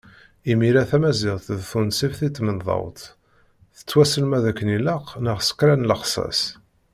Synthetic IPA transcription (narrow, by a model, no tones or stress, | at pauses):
imiɾæθæmæzɪʁθðθunsifθit̪ːmənðˤɑ̰wt̪ | θə̥t͡sːwæsəlmæðækːəniləqnəʁsə̥kɾænləqsˤɑ̰s